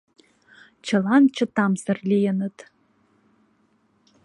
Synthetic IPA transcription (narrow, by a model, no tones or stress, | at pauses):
t͡ʃʰə̆lɑnt͡ɕʰə̆t̪ɑmzərlʲijənət̪